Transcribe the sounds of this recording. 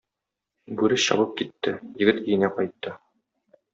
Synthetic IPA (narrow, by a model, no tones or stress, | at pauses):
bʉɾɘsɕɒ̰bɤp̚kit̪ːɘjɘ̆ɡɘt̪ijɘ̆næqɒjt̪ːɤ